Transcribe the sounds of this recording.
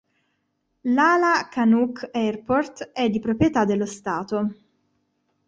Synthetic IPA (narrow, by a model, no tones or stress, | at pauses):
laːlakanukːɛrport̪ɛd̪ːipɾopɾjet̪ad̪ːelːost̪aːt̪o